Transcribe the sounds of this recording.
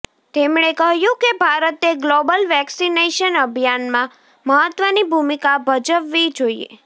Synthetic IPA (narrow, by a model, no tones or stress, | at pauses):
t̪emɽ̃ekəɦjũkebʱaɾət̪eɡlobəlʋɛksineʃənəbʱjanmã | məɦət̪ʋənibʱumikabʱəd͡ʒəʋːid͡ʒoiḛ